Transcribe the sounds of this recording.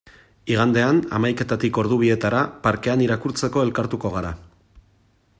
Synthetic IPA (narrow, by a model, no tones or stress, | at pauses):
iɣ̞and̪e̞ana̰majke̞t̪at̪iko̞ɾðuβ̞ie̞t̪aɾapaɾke̞aniɾakuɾt͡se̞ko̞e̞lkaɾt̪uko̞ɣaɾa